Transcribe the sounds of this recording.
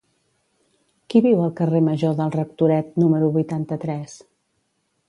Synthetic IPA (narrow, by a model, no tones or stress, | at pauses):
kiβiwəlˠkəreməʒoðəlˠrək̚t̪uɾɛt̪̚numəɾuβujt̪ant̪ət̪ɾɛs